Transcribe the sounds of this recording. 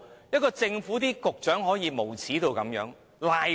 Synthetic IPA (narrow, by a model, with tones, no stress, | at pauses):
jɐ˥t̚kɔː˧t͡sɪ˧ŋfuː˨˥t̪̬iː˥kʊ˨k̚t͡ʃœː˨˥ŋɦɔː˨˥jiː˨˧mo˨˩wt͡sʰiː˨˥t̪o˧wkɐ˨˥mjœ̰ː˨˥ŋ | laː˨˧